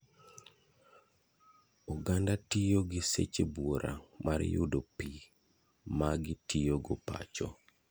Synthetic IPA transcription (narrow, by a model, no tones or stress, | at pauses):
ɔɡandatijoɡɪsḛt͡ʃebwoɾʔa̰marjʊ̰dopi | maɡɪtijoɡɔpa̰t͡ʃɔ